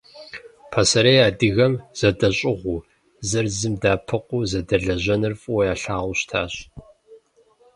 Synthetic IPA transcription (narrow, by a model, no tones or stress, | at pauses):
pʰɐsɐɾejaːdɨɣɐmz̥ɐdɐɕʼɪʁʷu | zɨrzɨmdaːpʰɨqʷuːzɐdɐɮɐʑɐnɨrfʼuwjaːɬaːʁʷʊɕtʰaːɕ